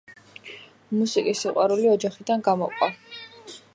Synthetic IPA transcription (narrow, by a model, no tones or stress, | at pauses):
musikʼisːiqʼwaɾuliɔd͡ʒaχid̪anɡamɔqʼwa